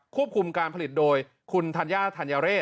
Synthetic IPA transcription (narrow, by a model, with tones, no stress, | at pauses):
kʰu˥˩əp̚kʰu˧mkaː˧npʰli˨˩t̪̚doː˧j | kʰu˧nt̪ʰa˧njaː˥˩t̪ʰa˧njaː˧ɾeː˥˩